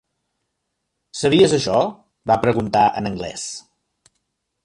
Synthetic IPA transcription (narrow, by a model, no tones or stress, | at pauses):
səβiəzəʃɔ | βapɾəɣunt̪aə̰nəŋɡlɛ̰s